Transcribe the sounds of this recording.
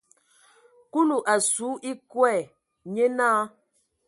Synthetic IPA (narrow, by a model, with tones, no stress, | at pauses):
ku˦lu˨ʔa˨su˨˦ʔi˦kwɛ˦˨ | ɲɛ˦naː˦